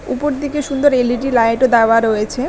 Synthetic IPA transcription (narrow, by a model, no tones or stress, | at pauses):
upoɾd̪ikeʃund̪oɾeliʈilajʈod̪aoaɾojet͡ɕʰe